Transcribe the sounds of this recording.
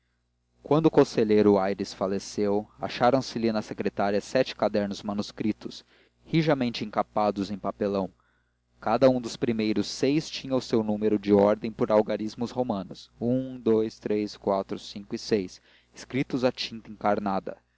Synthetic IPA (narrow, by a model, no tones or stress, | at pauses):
kwɐ̃nd̪ʊkõseʎejɾʊajɾɪsfalesewa̰ʃaɾɐ̃w̃sɪlɪnɐsekɾet̪aɾiɐsɛt͡ʃɪ̥kad̪ɛɾnʊzmɐnuskɾit̪ʊs | hiʒɐmẽnt͡ʃɪẽŋkapad̪ʊzẽj̃papelɐ̃w̃ | kad̪ɐũd̪ʊspɾimejɾʊsːejst͡ʃĩɲɐʊsewnũmeɾʊd͡ʒɪɔɾd̪ẽj̃poɾawɡaɾizmʊzhomɐ̃nʊsũd̪ojst̪ɾeskwat̪ɾʊsĩŋkʊɪsejs | ɪskɾit̪ʊzat͡ʃĩnt̪ɐẽŋkaɾnad̪ɐ̰